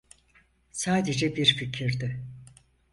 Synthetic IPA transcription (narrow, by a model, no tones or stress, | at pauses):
saːd̪ed͡ʒɛbiɾficʰiɾd̪ɪ